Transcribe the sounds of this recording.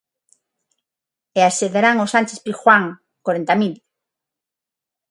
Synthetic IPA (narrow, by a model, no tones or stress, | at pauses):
easeðeɾaŋosant͡ʃespixwaŋ | koɾent̪amil